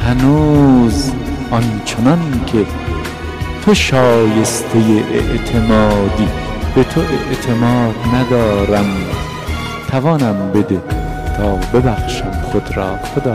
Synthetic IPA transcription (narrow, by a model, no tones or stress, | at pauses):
hænuːzʔɒnt͡ʃʰenɒnkʰe | t̪ʰoʃɒːje̞st̪ʰe̞jeʔḛʔt̪ʰe̞mɒːd̪iː | b̥et̪ʰoʔeʔt̪ʰe̞mɒːd̪næd̪ɒːɾæm | t̪ʰævɒːnæmbe̞d̪e̞ | t̪ʰɒːbe̞bæxʃæmχod̪ɾɒːxod̪ɒː